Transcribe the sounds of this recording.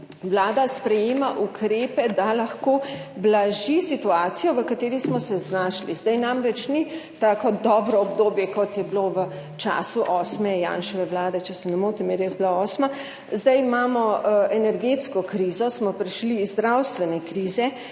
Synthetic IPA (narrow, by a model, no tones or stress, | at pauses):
ʋlaːd̪aspɾɛjeːmaʔukɾeːpɛd̪alaxkoːblaʒisit̪uaːt̪sijɔʋəkat̪eːɾismɔsɛznaːʃlizd̪ajnamɾɛt͡ʃnit̪aːkɔd̪ɔːbɾɔːbd̪oːbjɛkɔt̪jɛbiloʋə | t͡ʃa̰ːsuʔɔːsmɛjã̰ːnʃɔʋɛʋlaːd̪ɛt͡ʃɛsɛnɛmoːt̪imjɛɾjezbilaɔːsma | zd̪ajimaːmɔɛnɛɾɡet̪skɔkɾiːzɔsmɔpɾiʃliːzd̪ɾawst̪ʋɛnɛkɾiːzɛ